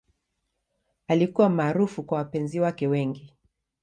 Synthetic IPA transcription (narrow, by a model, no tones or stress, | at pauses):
alikuwamaːɾufukwawapɛnziwakɛwɛŋɡi